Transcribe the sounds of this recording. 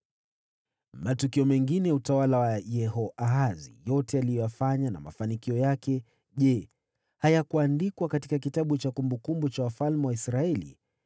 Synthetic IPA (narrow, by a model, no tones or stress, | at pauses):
matukiɔmɛŋɡinɛutawalawajɛhɔʔaazḭjɔtɛalijɔjafaɲana̰ma̰fanikiɔjakɛ | ʄɛ | hajakuandikwakatikak̬itaɓut͡ʃakumbukumbut͡ʃawafalmɛwaisɾaɛlḭ